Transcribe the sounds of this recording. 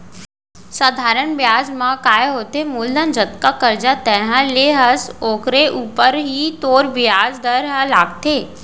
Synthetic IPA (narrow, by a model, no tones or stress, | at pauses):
saːd̪ʱaːɾəɳʋjaːd͡ʑmãkaːjɦoːt̪emuːld̪ənd͡ʒət̪kakəɾd͡ʒat̪ɛ̃ɦə̃leɦɐsoːkɾeʔuːpəɾɦit̪oːɾʋjaːzd̪əɾɦəlaːɡ̚t̪ʰeː